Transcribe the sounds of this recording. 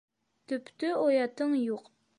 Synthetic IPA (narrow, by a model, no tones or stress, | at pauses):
t̪ʰypt̪yojɑt̪ʰːɨŋjoq